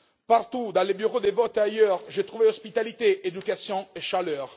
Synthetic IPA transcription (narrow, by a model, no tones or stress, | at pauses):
paʁt̪ud̪ɑ̃lebyʁod̪evɔt̪ajœʁʒet̪χuveɔspit̪alit̪eʔed̪ykasjɔ̃eʃalœːʁ